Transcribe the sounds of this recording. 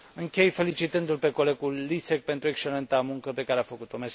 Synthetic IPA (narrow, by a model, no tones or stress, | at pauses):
ɨŋkʲe̞jfe̞lit͡ʃit̪ɨnd̪ulpe̞ko̞le̞ɡulːisek̚pe̞nt̪ɾuekst͡ʃelent̪amuŋkəpe̞kaɾeafəkut̪omes